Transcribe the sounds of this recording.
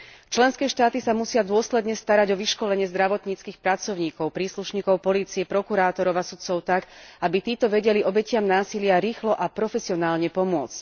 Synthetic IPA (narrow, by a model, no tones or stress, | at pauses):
t͡ʃlɛnskɛːʃt̪aːt̪isamusɪad̪ʊɔslɛd̪ɲɛst̪aɾaɟɔʋiʃkɔlɛɲɪɛzd̪ɾaʋɔt̪ɲiːt͡skiːxpɾat͡sɔʊɲiːkɔʊpɾiːsluʃɲiːkɔʊpɔliːt͡siɛpɾɔkuɾaːt̪ɔɾɔʊasut̪t͡sɔʊt̪akabit̪iːt̪ɔʋɛɟɛliɔbɛcɪamnaːsilɪaɾiːxlɔʔapɾɔfɛsiɔnaːlɲɛpɔmʊɔt͡sc